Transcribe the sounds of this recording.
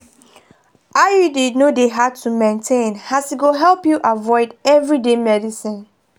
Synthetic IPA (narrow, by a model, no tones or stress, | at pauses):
ʔajudidnodeɦad̚tʰumẽntʰẽnhasiɡoɦɛlpjuʔavɔɪdɛvɹidemɛdisĩn